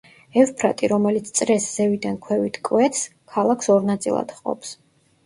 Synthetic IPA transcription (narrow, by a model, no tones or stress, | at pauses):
ɛfpʰɾat̪ʼiɾɔmɛlit̪sʰt̪sʼɾɛsz̥ɛvid̪ankʰwɛvit̪ʰkʼwɛt̪ʰskʰalˠakʰsɔɾnat̪sʼilˠa̰d̪̥χqʼɔ̰ps